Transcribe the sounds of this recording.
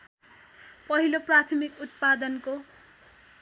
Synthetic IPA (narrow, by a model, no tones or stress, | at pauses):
pʌɦiloprat̪ʰmikut̪̚pad̪ʌnko